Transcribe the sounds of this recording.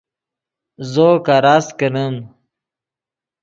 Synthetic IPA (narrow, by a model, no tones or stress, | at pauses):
zokaɾaskənəm